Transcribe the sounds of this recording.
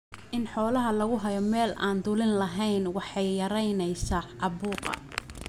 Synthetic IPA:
ʔɪnħɔːlɐɦɐlɐɣʊɦɐjɔmɛːlʔaːnd̪ʊlɪnlɐɦɛjnwɑħɑjːɐɾɐjnɛjsɐʔɑβuːqɐ̰

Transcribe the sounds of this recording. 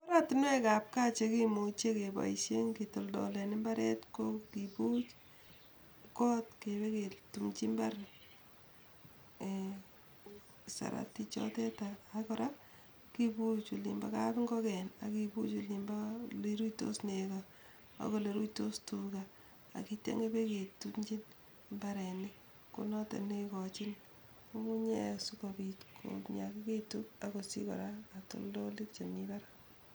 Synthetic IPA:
kɔɾatinwɛkap̚kat͡ʃekimut͡ʃekeba̰iʃeŋkitoldɔ̰lenɪmbaɾɛ̰tkokiput͡ʃ | kɔtkebeketumt͡ʃimbaɾ | sa̰ɾa̰tit͡ʃɔ̰tɛtaːkɔɾa | kibut͡ʃulḭmbakapŋɡɔkɛna̰kiput͡ʃulimbaliɾuto̰sneka | a̰koleɾujtostuka | a̰kitḛŋɡebeketukɲd͡ʒin | mbaɾɛni | kṵnɔtḛnekɔt͡ʃin | komuɲesukopitkʰo̰ɲakiketukakosḭkɔ̰ɾaːto̰ldolikt͡ʃemibaɾa

